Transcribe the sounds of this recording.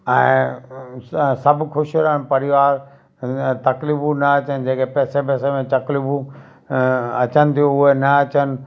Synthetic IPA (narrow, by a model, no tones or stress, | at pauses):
ɛ̃ː | sɐbʱkʊʃɾəɽ̃pɐɾɪiʋaːɾ | t̪ɐklɪbunɐɐt͡ɕənɪ̆d͡ʑeːkepɛːsep̬ɛːsemẽt͡ɕɐklibũ | ɐt͡ɕənɪ̆t̪ʰijoʊɦenɐɐt͡ɕənɪ̆